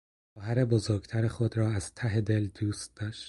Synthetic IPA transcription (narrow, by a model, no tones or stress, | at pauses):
xɒːɦæɾe̞bozoɾɡt̪ʰæɾexod̪ɾɒːæz̥t̪ʰæɦe̞d̪e̞ld̪uːst̪̚d̪̥ɒːʃt̪̚